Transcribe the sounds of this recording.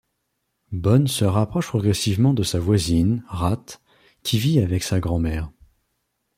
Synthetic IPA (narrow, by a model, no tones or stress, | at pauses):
bɔnsəʁapχɔʃpχɔɡʁɛsivmɑ̃d̪əsavwazinʁat̪ | kʲʰiviavɛksaɡʁɑ̃mɛːʁ